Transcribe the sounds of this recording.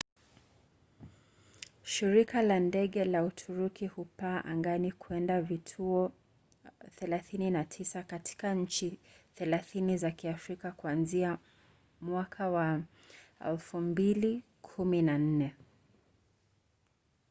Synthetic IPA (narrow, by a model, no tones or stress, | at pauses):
ʃiɾikalandɛɠɛlautʰuɾukihupaːʔaŋɡanikwɛndavitʰuɔ | θɛlaθininatʰisakatʰi̥kaɲ̩t͡ʃiθɛlaθinizakiafɾikakwanzia | mwakʰawa | ɛ̰lfumbili | kʰuminan̩nɛ